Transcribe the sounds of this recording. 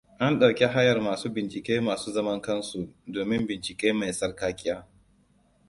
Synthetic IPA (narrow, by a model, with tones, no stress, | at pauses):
ʔa˦nɗa˨wkʲi˦ɦa˦jɐ˨rmaː˨suː˦bɪ˨nt͡ʃɪ˨kʲeː˦maː˨suː˦zɐ˦mɐ˦ŋkɐ˦nsu˨doː˨mɪ˦mbɪ˨nt͡ʃɪ˨kʲeː˦ma˨jsɐ˦rkaː˦kʲʼɪ˦jaː˦